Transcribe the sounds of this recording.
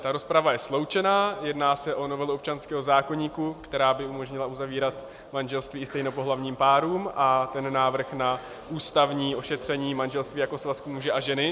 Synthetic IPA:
t̪aɾo̞spɾavajɛslo̞wt͡ʃɛnaːjɛdnaːsɛʔo̞novɛlɛop̚t͡ʃanskɛːɦozaːko̞ɲiːkukt̪ɛɾaːbɪumo̞ʒɲɪlaʔuzaviːɾat̪ | manʒɛlst̪viːɪst̪ɛjnopo̞ɦlavɲiːmpaːɾuːmʔat̪ɛnːaːvr̩xna | ʔuːst̪avɲiːʔo̞ʃɛt̪r̝̥ɛɲiːmanʒɛlst̪viːjako̞svaskumuʒɛʔaʒɛnɪ

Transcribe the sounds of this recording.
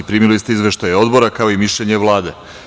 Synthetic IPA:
ipɾiːmilist̪eizʋeʃt̪ajeo̞d̪bo̞ɾakao̞imiʃʎeɲeʋlˠaːd̪e

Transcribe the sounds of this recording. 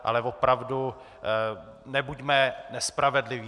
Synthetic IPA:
ʔa̰lɛvo̞pɾavdu | nɛbuɟmɛnɛspɾavɛdlɪviː

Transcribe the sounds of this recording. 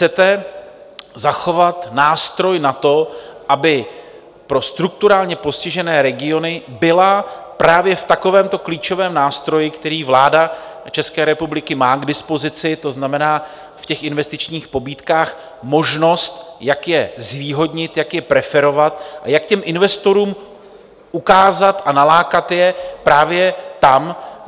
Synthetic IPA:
xt͡sɛt̪ɛ | zaxo̞vat̪naːst̪ɾo̞jnat̪o̞ʔabɪ | pɾo̞st̪ɾuk̚t̪uɾaːlɲɛpo̞scɪʒɛnɛːɾɛɡɪo̞nɪbɪlapɾaːvjɛft̪ako̞vɛːmt̪o̞kliːt͡ʃo̞vɛːmnaːst̪ɾo̞jɪkt̪ɛɾiːvlaːda | t͡ʃɛskɛːɾɛpublɪkɪmaːɡdɪspo̞zɪt͡sɪt̪o̞znamɛnaː | fcɛxʔɪnvɛst̪ɪt͡ʃɲiːxpo̞biːt̪kaːx | mo̞ʒno̞st̪jakjɛzviːɦo̞dɲɪt̪jakjɛpɾɛfɛɾo̞vat̪ʔajakcɛmʔɪnvɛst̪o̞ɾuːm | ʔukaːzat̪ʔanalaːkat̪jɛpɾaːvjɛt̪am

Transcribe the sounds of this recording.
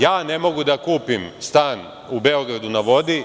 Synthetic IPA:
jaːne̞mo̞ɡud̪akuːpimst̪aːn | ubeo̞ɡɾad̪unaʋo̞d̪i

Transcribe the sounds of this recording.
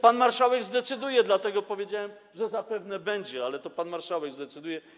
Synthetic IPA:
panmaɾʂawɛɡzd̪ɛt̪sɘd̪ujɛd̪lat̪ɛɡɔpɔvʲjed͡ʑawɛm | ʐɛzapɛvnɛbɛɲd͡ʑɛalɛt̪ɔpanmaɾʂawɛɡzd̪ɛt̪sɘd̪ujɛ

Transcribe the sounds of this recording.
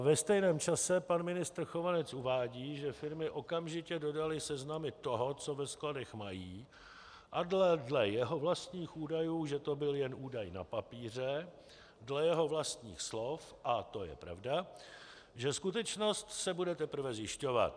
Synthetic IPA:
vɛst̪ɛjnɛːmt͡ʃasɛpanmɪnɪst̪r̩xo̞vanɛt͡sʔuvaːɟiːʒɛfɪɾmɪʔo̞kamʒɪcɛdo̞dalɪsɛznamɪt̪o̞ɦo̞t͡so̞vɛskladɛxmajiː | ʔadlɛdlɛjɛɦo̞vlast̪ɲiːxʔuːdajuːʒɛt̪o̞bɪljɛnʔuːdajna̰papiːr̝ɛ | dlɛjɛɦo̞vlast̪ɲḭːxslo̞f | ʔat̪o̞jɛ̰pɾa̰vda | ʒɛskut̪ɛt͡ʃno̞st̪sɛbudɛt̪ɛpr̩vɛzjɪʃco̞va̰t̪

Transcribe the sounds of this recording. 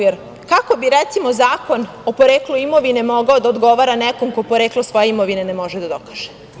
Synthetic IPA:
jeɾ | kako̞biɾɛt̪simo̞zaːko̞n | opoɾeːklˠuimoʋine̞mo̞ɡaod̪aod̪ɡo̞ʋaːɾanɛko̞mkopo̞ɾeːklˠosʋo̞jeimoʋinenemo̞ʒed̪ad̪o̞kḁːʒ̥e

